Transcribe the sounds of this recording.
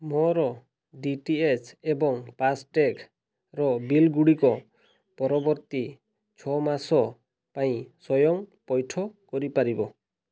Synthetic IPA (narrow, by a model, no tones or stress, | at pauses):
mɔɾɔ | ɖiʈiet͡ʃebɔŋpasʈek | ɾɔbilɡuɽikɔ | pɔɾɔbɔɾt̪i | t͡ʃʰɔmasɔ | paĩsɔjɔŋpɔjʈʰɔkɔɾipaɾibɔ